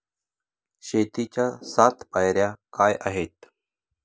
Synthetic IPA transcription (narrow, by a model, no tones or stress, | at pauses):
ɕet̪it͡ɕjasat̪pajɾjakajʔaɦet̪